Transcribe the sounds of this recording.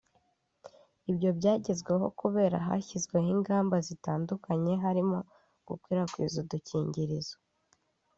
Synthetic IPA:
ibjo̞bɟaːɟe̞zɡwe̞ɦo̞̰kuβe̞ːɾa̰ɦa̰çizɡwe̞ɦiŋɡaːmbazitaːndukʰaɲe̞ɦaɾimo̞ | ɡ̥ukwiːɾakwḭzuduciːɲɟiɾizo

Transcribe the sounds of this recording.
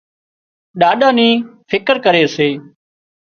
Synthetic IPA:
ɗaːɗãːnĩːfʰɪkəɾkəɾeːseː

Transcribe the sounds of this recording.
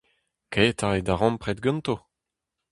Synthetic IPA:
ket̪aʁed̪aʁɑ̃mpχɛt̪ɡɔ̃nt̪o

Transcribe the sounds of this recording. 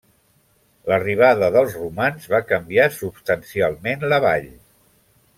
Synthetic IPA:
ləriβ̞aðəðəlˠzrumanzβakəmbiasupst̪ənsialˠmenləβa̰ʎ

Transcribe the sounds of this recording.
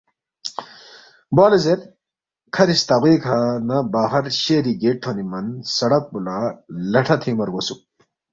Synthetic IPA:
baːlɐzeɾ | kʰɐɾist̪ɐʁiːkʰanɐbaːɦɐɾɕeːɾiɡeʈʰːonimɐnsɐɽɐk̚bulalɐʈʰɐt̪ʰimɐɾɡosu

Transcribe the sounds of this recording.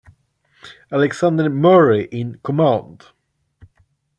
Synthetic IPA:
alɛɡsãnd̪əɹmɔɹɪʔɪ̃nkʰɔmãnd̥

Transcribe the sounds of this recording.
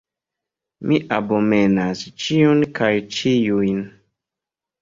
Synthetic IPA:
miʔabomenast͡ʃiunkajt͡ʃijujn

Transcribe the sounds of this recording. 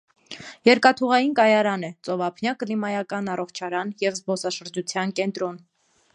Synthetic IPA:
jɛɾkɑt̪ʰuʁɑjinkɑjɑɾɑnɛt͡sɔvɑpʰnjɑklimɑjɑkɑnɑrɔχt͡ʃʰɑɾɑnjɛvzbɔsɑʃəɾd͡ʒut͡sʰjɑnkɛnt̪ɾɔn

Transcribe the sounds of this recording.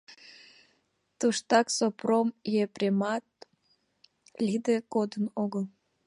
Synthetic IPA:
t̪uʃt̪ɑksopromjeprʲemɑt̪̚ | lʲid̪ekod̪ənoɣəl

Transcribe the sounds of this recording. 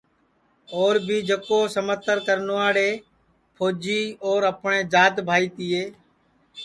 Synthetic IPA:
oːɾbʱiːd͡ʒəkoːsəmət̪ːəɾkəɾnoːaːɽeː | pʰoːd͡ʒiːoːɾəpɳẽːd͡ʒaːt̪bʱaːiːt̪iːeː

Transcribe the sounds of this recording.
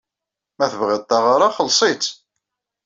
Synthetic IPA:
mæθəvʁɪðˤt̪ɑʁaɾˤaχəlsˤit͡s̪

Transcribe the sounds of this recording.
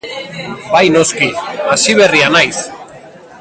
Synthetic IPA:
bajno̞skiasiβ̞e̞rianajs

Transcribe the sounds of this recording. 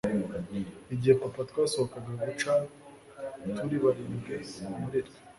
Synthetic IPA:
iɟihepapat̪waːso̞hokaɡaɡut͡ʃa | tʰuɾiβaɾiːmɡemuɾeɾe̥

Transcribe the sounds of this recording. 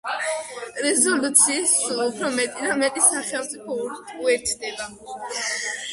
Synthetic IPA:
ɾɛzɔlut̪sʰiːssulupʰɾɔmɛt̪ʼid̪amɛt̪ʼisaχɛlˠmt̪sʼipʰɔɾt̪uɛɾt̪ʰd̪ɛba

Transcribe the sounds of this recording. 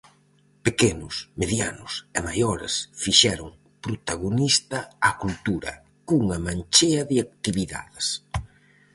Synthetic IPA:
pekenʊsmeðjanʊsemajɔɾḛsfiʃɛɾʊŋ | pɾot̪aɣonist̪ɐakult̪uɾɐ̰ | kuŋɐmant͡ʃeɐðɪak̚t̪iβiða̰ðɪs

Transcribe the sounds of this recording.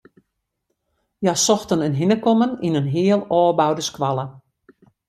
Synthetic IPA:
jasɔxtənənɦinəkɔməninənɦɪəlˠɔːbawdəskʋalˠə

